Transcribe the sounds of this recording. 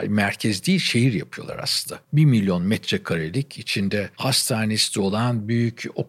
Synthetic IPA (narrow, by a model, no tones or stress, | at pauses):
mæɾcʰɛzd̪ʲiːʃe̞jiɾjapʰɯjo̞lˠa̰ɾa̰slɯnd̪abiɾmilʲjo̞nmɛt̪ɾɛkʰaɾelʲicʰit͡ʃʰind̪ɛhast̪ʰaːnesi̥t̪ʰʲio̞lˠanbyjyco̞